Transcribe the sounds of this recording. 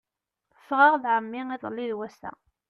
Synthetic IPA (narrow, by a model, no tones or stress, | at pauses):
θə̥fʁɑʁðʕəmːiiðˤəlːiðwæsæ̰